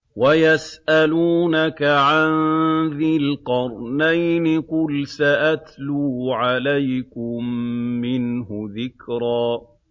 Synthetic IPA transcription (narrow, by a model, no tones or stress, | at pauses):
wajasʔaluːnakaʕanðɪlqɑɾˤnajnɪqʊlsaʔat̪luːʕalajkʊmːɪnhʊðɪkɾˤaː